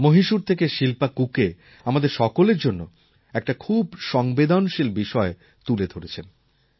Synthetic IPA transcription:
moɦiʃuɾt̪ʰekeʃilpakuke | amad̪eɾʃɔkoleɾd͡ʑonːo | ɛk̚ʈakʰubʃɔŋbed̪ʱanʃilbiʃɔe | t̪uled̪ʱoɾet͡ɕʰen

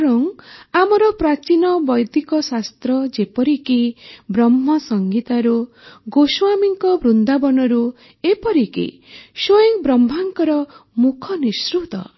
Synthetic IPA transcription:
ɔɾɔŋamɔɾɔpɾat͡ʃinɔbɔjd̪ikɔsast̪ɾɔd͡ʒepɔɾikibɾɔmːɔsɔŋɡit̪aɾu | ɡoswamiŋkɔbɾund̪abɔnɔɾu | epɔɾikḭ | sojɔŋbɾɔmbʱaŋkɔɾɔmukʰɔnisɾut̪ɔ̰

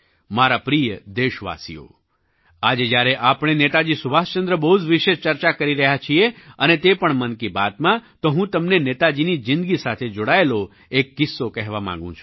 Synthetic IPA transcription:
maɾapɾijəd̪eʃʋa̰sḭjo̰ | ad͡ʒed͡ʒjaɾeʔapɽ̃enet̪ad͡ʒisubʱast͡ʃənd̪ɾəbəɦud͡ʒʋiʃeʃt͡ʃəɾt͡ʃakəɾiɾəɦjat͡ʃʰieənet̪epəɳmənkibat̪mãt̪oɦũt̪əmnenet̪ad͡ʒinid͡ʒɪ̃nd̪ɡisat̪ʰed͡ʒoɽaelo | ekːɪsːokɛɦʋamã̰ŋɡṵ̃t͡ʃʰu̥

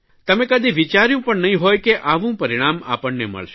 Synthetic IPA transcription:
t̪əmẽkəd̪iʋit͡ʃaɾjũpəɳnɐɦĩɦoːjkeʔaʋũpɐɾiɽ̃aːma̰pəɳnḛmə̰ɭʃe

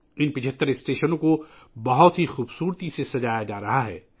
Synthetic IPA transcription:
ɪnpɪt͡ʃʰət̪ːəɾɪsʈeːʃənõko | bɐɦʊt̪ɦixuːbsuːɾt̪isesɐd͡ʒaːjad͡ʒaːɾɐɦaɦɛ̰ː

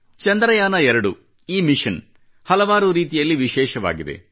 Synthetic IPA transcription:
t͡ʃɐnd̪ɾɐjaːnɐɛɾɐɽu | iːmiʃɐn | hɐlɐʋaːɾuɾiːt̪̬ijɐlːiʋiʃɛːʃɐʋa̰ːɡid̪e̞̰

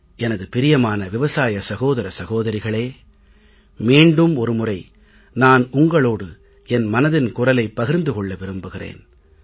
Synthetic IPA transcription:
ʔɛnɐðɯpɪɾɪjɐmaːnɐʋɪʋɐsaːjɐsɐɣoːðɐɾɐsɐɣoːðɐɾɪɣɐɭeː | miːɳɖɯmɔɾɯmʊrɐɪ | naːnʊŋɡɐɭoːɽɯ | ɛnmɐnɐðɪnkʊrɐlɐɪpːɐɣɪɾnd̪ɯkɔɭːɐʋɪɾɯmbɯɣɪrḛːn

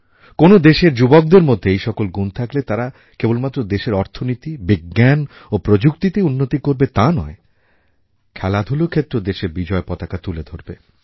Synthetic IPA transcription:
konod̪eʃeɾd͡ʑubok̚d̪eɾmod̪ʱːeejʃɔkolɡunt̪ʰaklet̪aɾa | kebolmat̪ːɾod̪eʃeɾɔɾt̪ʰonit̪ibiɡːan | opɾod͡ʑukt̪it̪eunːot̪ikoɾbet̪anɔe | kʰɛlad̪ʱulokʰet̪ːɾod̪eʃeɾbid͡ʑɔepɔt̪akat̪uled̪ʱoɾbe

